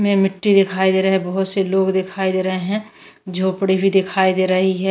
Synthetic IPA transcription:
mẽmɪʈːid̪ɪkʰaːid̪eːɾɐɦɛ̃bɐɦʊt̪seloːɡd̪ɪkʰaːid̪eːɾɐɦeɦɛ̃ | d͡ʒʱoːpɽebʱid̪ɪkʰaːid̪eːɾɐɦiɦɛ

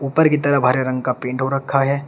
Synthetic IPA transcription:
uːpəɾkit̪ɐɾəɦbʱaːɾeɾɐ̃ŋɡkapẽːɳʈɦoɾɐkʰːaɦɛː

